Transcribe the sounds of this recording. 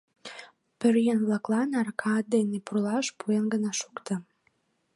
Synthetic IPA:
pøɾjənβlɑklɑnɑrkʰɑt̪̚d̪enepurlɑʃpuenɡənɑʃukt̪ə̆

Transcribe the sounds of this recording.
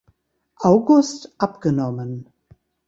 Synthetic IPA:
ʔaʊɡʊstʔapɡ̥ənɔmən

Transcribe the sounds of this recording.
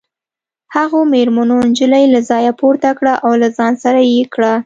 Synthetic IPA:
haɣomeɾmanond͡ʒəlajelazɑjapoɾt̪akɽaʔawlazɑnsaɾajekɽa

